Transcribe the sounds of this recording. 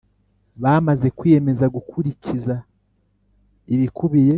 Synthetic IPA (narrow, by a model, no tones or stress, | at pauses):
βaːmaze̞kwije̞me̞zaɡukʰuɾiciza | iβikuβije